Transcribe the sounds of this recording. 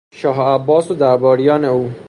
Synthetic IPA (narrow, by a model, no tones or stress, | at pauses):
ʃɒːɦæbːɒːsod̪æɾbɒːɾijɒːneuː